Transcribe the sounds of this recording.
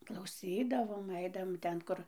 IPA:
klˠɐʊˈsʲiːdɐʋoːm ˈɐɪdɐʋoːm ˈtʲɛn ˈkʊr

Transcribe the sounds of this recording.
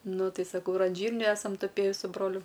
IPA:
ˈnʊ ˈtɐɪ sɐˈkɐʊ ɪr ɐn ˈʒʲiːrʲnʲuː ˈæːsɐm tʊˈpʲeːjɪ sʊ ˈbroːlʲʊ

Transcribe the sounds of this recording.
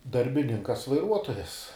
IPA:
dɐrʲbʲɪˈnʲɪŋkɐs ʋɐɪˈruɔtoːjɛs

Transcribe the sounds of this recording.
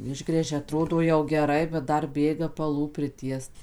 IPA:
ˈɪʒɡrʲæːʒʲɛ ɐˈtroːdoː jɛʊ ɡʲɛˈrɐɪ bʲɛt ˈdɐr ˈbʲeːɡɐ pɐˈlˠuː pʲrʲɪˈtʲiɛst

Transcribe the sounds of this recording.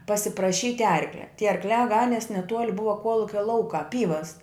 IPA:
pɐsʲɪprɐˈʃʲiːtʲ ˈɐrklʲɛ tʲiɛ ɐrkˈlʲæː ˈɡɑːnʲiɛs nʲɛˈtuɔlʲ ˈbʊʋɐ ˈkuɔlˠʊkʲɛ ˈlˠɐʊkɑː ˈpʲiːʋɐs

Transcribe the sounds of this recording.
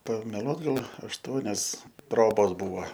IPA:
pɐmʲɛˈlˠuɔt ˈɡɐlˠ ɐʃˈtuɔnʲɛs ˈtroːboːs ˈbuːʋɐ

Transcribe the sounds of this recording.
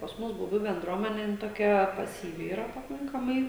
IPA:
pɐs ˈmʊs bʊˈbʲuː bʲɛnˈdruɔmʲɛnʲɛ ˈjɪn toːˈkʲɛ pɐsʲiːˈʋʲɪ iːˈrɐ pɐˈkɐŋkɐmɐɪ

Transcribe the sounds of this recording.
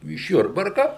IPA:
ɪʃ ˈjʊrbɐrkɐ

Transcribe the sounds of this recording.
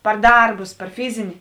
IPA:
pɐr ˈdɐrbʊs pɐr ˈfʲɪzʲɪnʲɪ

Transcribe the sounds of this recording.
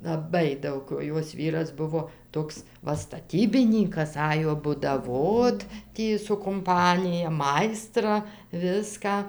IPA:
lˠɐˈbɐɪ ˈdɐʊk oː ˈjoːs ˈʋʲiːrɐs ˈbʊʋoː ˈtoːks ˈʋɐ stɐˈtʲiːbʲɪnʲiːkɐs ˈɑːjoː bʊdɐˈʋoːt ˈtʲiː sʊ kʊmˈpɑːnʲɪjɛ ˈmɐɪstrɐ ˈʋʲɪskɑː

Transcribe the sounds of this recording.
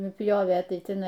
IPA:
nʊˈpʲjoːʋʲeː ˈtɐɪ tʲɪˈnɐɪ

